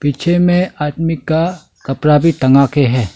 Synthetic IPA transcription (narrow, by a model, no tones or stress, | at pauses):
piːt͡ʃʰemẽaːʈ̪mɪkːa | kɐpɾabʱiʈ̪ɐŋɡakeɦɛː